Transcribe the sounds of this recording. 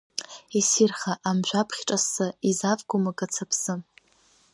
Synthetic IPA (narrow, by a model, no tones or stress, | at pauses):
isirχaʔamʒʷapʰχʲʈ͡ʂʼasaizavɡʷʊmakʼat͡sʰapʰsɨm